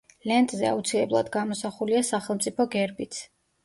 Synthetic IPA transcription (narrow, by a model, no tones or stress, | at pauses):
lɛnt̪ʼzɛa̰ut̪sʰilɛblˠa̰d̪ɡamɔsaχuliasaχɛlˠmt̪sʼipʰɔɡɛɾbit̪sʰ